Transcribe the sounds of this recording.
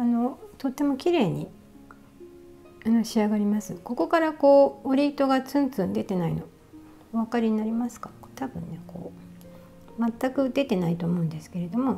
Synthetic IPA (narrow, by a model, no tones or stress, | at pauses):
ano̞t̪o̞t̪ːe̞mo̞kʲiɾe̞ːɲ̟i | anoɕiaɡaɾʲimasɨko̞ko̞kaɾako̞ːoɾʲiːt̪o̞ɡat͡sɨ̃nt͡sɨ̃nd̪e̞t̪e̞naḭno̞ | βakaɾʲiɲ̟inaɾʲimasɨ̥kḁ | t̪abɯ̟̃nːe̞ko̰ː | mat̪ːakɯ̟d̪e̞t̪e̞nait̪o̞ːmo̞ɯ̃nd̪e̞sɨ̥ke̞ɾe̞d̪o̞mo̞